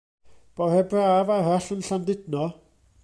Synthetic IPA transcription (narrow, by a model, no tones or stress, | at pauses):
b̥ɔrɛbraːvaraɬənɬandɪdnɔ